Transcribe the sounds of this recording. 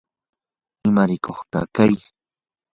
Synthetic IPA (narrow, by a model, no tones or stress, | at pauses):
ɪmaɾɪkʰoχkɑ̰kaj